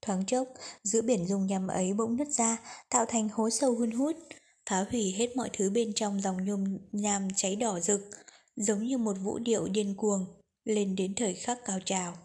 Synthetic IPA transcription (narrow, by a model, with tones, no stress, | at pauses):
t̪ʰwaː˨˦ŋt͡ɕə˦˥t̚zɨ̰˧˥əɓi˧˩ənzʊ˧˩ŋ͡mɲa˨˩mʔə˨˦jɓə̰˧˥wŋ͡mnə˦˥t̚zaː˧t̪a̰ː˧˨wt̪ʰa˨˩jŋ̟ho˨˦sə˧whi˧nɦu˦˥t̚ | faː˨˦hwi˧˩ɦe˦˥t̚mɔ̰˧˨jt̪ʰɨ˨˦ɓe˧nt͡ɕɔ˧wŋ͡mzɔ˨˩wŋ͡mɲʊ˧mɲaː˧mt͡ɕa˨˦jɗɔ˧˩zɨ˨˩k̚ | zə˨˦wŋ͡mɲɨ˧mo˨˩t̚vṵ˧˥ɗḭ˧˨əwɗi˧ənku˨˩əŋ | le˧nɗe˨˦nt̪ʰəː˨˩jxaː˦˥kːaː˧˩wt͡ɕaː˨˩w